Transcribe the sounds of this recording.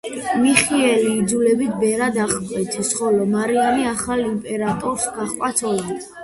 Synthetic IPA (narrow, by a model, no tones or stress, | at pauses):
miχiɛliːd̪zulɛbit̪ʰbɛɾad̪aχkʼwɛt̪ʰisχɔlɔmaɾianiaχalimpʼɛɾat̪ʼɔɾsɡaχkʼat̪sʰɔit̪ʰ